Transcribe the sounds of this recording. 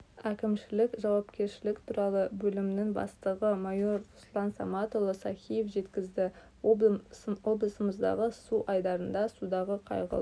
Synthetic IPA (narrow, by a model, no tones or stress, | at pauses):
ækʲɪmʃɪlɪkʒɑwɑpkʲe̞ɾʃɪlɪkt̪ʰuɾɑlˠəbɵlɪmnɪŋbɑ̰st̪əʁəmɑjo̞ɾʊslˠɑnsa̰mɑt̪o̞lˠəsɑχʲijefʒe̞t̪kʲɪzd̪ɪ | wo̞blˠəsəməzd̪ɑ̰ʁəsuʔɑjd̪ɑɾənd̪ɑsud̪ɑʁəqʰɑ̰jʁə̰lˠ